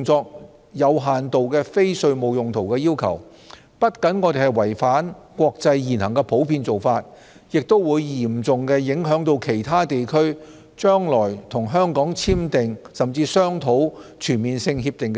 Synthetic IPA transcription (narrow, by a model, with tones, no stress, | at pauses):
ŋt͡sɔː˧k̚ | jɐ˨˧wɦaː˨nt̪o˨wkɛː˧fe˥jsɵ˧ɥmo˨˧wjʊ˨ŋt̪ʰo˨˩wkɛː˧jiː˥wkʰɐ̰˨˩w | pɐ˥t̚kɐ˨˥nŋɔː˧t̪e˨hɐ˨jwɐ˨˩jfaː˨˥nkʷɔː˧k̚t͡sɐ˧jːiː˨˩nhɐ˨˩ŋkɛ˧pʰo˨˥wpʰiː˧nt͡so˨wfaː˧t̚ | jɪ˨k̚t̪o˥wwuː˨˧jjiː˨˩mt͡sʊ˨ŋkɛː˧jɪ˨˥ŋɦœː˨˥ŋt̪o˧wkʰe˨˩jt̪ʰaː˥t̪e˨jkʰɵ˥ɥ | t͡ʃœː˥ŋlɔː˨˩jt̪ʰʊ˨˩ŋɦœː˥ŋkɔː˨˥ŋt͡sʰiː˥mt̪ɪ˨ŋsɐ˨mt͡siː˧sœː˥ŋt̪ʰo˨˥wt͡ʃʰyː˨˩nmiː˨nsɪ˧ŋɦiː˧p̚t̪ɪ˨ŋk